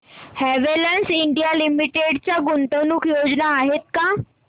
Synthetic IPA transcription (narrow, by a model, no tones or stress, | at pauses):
hɛʋelənsiɳɖijalimiʈeɽt͡ɕjaɡunt̪ənuːkjod͡znaːɦet̪̚ka